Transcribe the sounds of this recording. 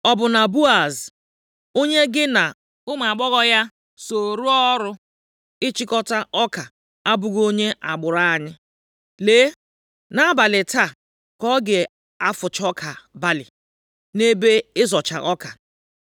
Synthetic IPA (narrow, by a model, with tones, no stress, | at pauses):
ɔ˦bʊ˨na˨bu˦a˨z | o˦ɲe˦ɡɪ˦na˨ | ʊ˦ma˨ɡ͡bɔ˦ɣɔ˦ja˦ | so˨ɾu˦ɔ˦ɾʊ˦ | ɪ˦t͡ʃi˦kɔ˦ta˦ɔ˦ka˨ | a˦bʊ˨ɡo˦ɲe˦ʔa˨ɡ͡bʊ˨ɾa˦˨ɲɪ˦ | leː˦ | na˦a˦ba˨lɪ˨ta˦˨ | kɔ˦ɡe˨ | a˦fʊ˨t͡ʃɔ˦kʰa˨ba˦lɪ˨ | ne˦be˦ɪ˦zɔ˨t͡ʃa̰˨ʔɔ˦ka˨